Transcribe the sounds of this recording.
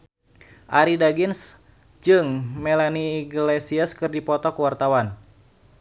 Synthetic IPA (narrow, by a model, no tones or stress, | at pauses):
ʔaɾidaɡins | d͡ʒɨŋmɛlaniːɡlɛsiaskɨrdipɔt̪ɔkuwart̪awan